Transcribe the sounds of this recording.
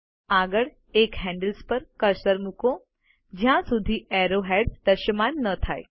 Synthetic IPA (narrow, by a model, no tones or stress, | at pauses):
aɡəɭ | ekɦɛ̃ɳɖəlspəɾkəɾsəɾmukõ | d͡ʒjãsud̪ʱiɛɾoɦɛɖd̪əʃəmanːət̪ʰae